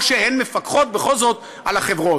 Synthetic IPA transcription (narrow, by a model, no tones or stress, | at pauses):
ʃehenmefakχo̞t̪̚beχo̞lzo̞t̪ | alaχevʁo